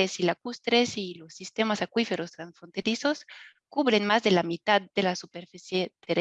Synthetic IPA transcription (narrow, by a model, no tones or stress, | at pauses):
esilakust̪ɾesilo̞sːist̪e̞masakwife̞ɾost̪ɾansfont̪eɾiso̞s | kuβɾenmazðelamit̪ad̪delasupeɾfisjet̪eɾ